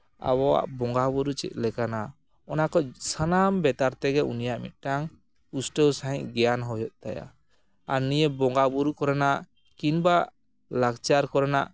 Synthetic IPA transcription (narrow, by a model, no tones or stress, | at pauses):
a̰βɔwa̰ʔbɔŋɡabuɾut͡ʃɛ̰t̪̚ˀlɛkana | ɔnakɔsanambɛt̪aɾt̪ɛɡɛṵnijaʔmḭt̪̚ˀʈaŋ | usʈəwsaɦĩʔɡɛjanɦɔjɔʔ̚t̪aja̰ | aɾnijebɔŋɡabuɾukɔɾanaʔ | kinbaʔ | laɡt͡ʃaɾkɔɾanaʔ